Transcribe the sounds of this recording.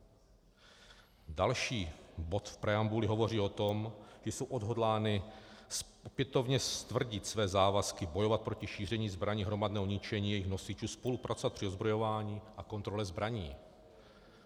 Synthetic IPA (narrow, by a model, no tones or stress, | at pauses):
dalʃiːbo̞t̪fpɾɛambulɪɦo̞vo̞riːo̞t̪o̞mʒ̥ɛjso̞wʔo̞dɦo̞dlaːnɪs | opjɛt̪o̞vɲɛst̪vr̩ɟɪt̪svɛːzaːvaskɪbo̞jovat̪̚pɾo̞cɪʃiːrɛɲiːzbɾaɲiːɦɾo̞madnɛːɦoɲɪt͡ʃɛɲiːjɛjɪxno̞sɪt͡ʃuːspo̞lupɾʔat͡sovat̪̚pr̥ɪozbɾo̞jo̞vaːɲiːʔako̞nt̪ɾo̞lɛzbɾaɲiː